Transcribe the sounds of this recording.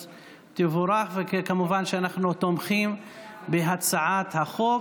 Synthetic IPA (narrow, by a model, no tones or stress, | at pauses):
t̪evoɾaχvekkamuvanʃeanaχnut̪omχim | beɦat͡saʕat̪haχok